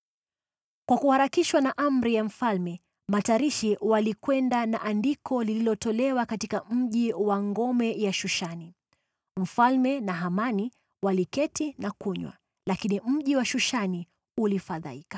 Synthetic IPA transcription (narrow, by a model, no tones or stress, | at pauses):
kwakuhaɾakiʃwanaʔam̩ɾijam̩falmɛ | mataɾiʃiwalikwɛndana̰ʔandikʰɔlililɔtɔlɛwakatikam̩ʄiwaŋɡɔmɛjaʃuʃani | m̩falmɛnaɦamani | walikɛtinakuɲwa̰ | lakinim̩ʄiwaʃuʃani | ulifaða̰ikḁ